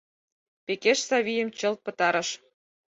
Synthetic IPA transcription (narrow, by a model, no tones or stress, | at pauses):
pekeʃsɑβijə̆mt͡ɕə̆lt̪̚pə̆t̪ɑɾɤ̆ʃ